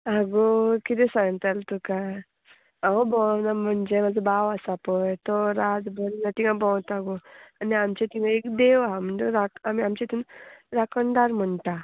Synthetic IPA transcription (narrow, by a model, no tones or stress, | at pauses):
aɡokit̪ɛ̃sãŋɡt̪alt̪uka | aobɔ̃wnam̤əɳd͡zemad͡zəbaʋəsapɔjt̪ɔɾad͡zbʱənnat̪ĩŋɡãbɔ̃wt̪aɡoaniamt͡ɕet̪iŋãekd̪eʋaam̤əɳd͡zeɾakamiamt͡ɕat̪ʰuːnɾakəɳɖ̪aɾm̤əɳt̪a